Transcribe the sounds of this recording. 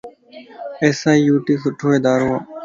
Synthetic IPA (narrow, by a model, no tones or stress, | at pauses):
eːsaːijuːʈiːs̬ʊʈʰoːeːd̪aːɾoːaː